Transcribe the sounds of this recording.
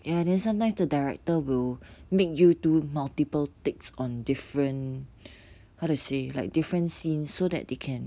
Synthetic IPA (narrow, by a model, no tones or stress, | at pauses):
jãnɛ̃nsãmtãɪmsdədaɪɹɛ̰k̚təwilmek̚jutumaltipəltɪk̚sɔ̃ndifɹə̃n | haʊdusela̰ɪk̚difɹə̃nsĩnsːodɛ̰t̚dekʰɛ̃n